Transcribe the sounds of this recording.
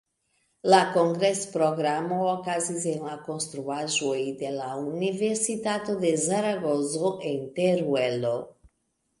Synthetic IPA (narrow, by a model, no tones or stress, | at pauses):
lakoŋɡɾespɾoɣɾamookazizeŋlakõnst̪ɾuaʒojid̪elauniveɾsit̪at̪od̪ezaɾaɣozoʔent̪eɾwelo